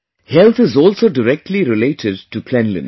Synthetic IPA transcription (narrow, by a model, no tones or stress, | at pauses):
hɛlt̪ʰɪzɔːlsoːɖəɾɛk̚ʈʰliɾɪleːʈʰɪɖ̚ʈupʰlɛ̃nlɪ̰̃n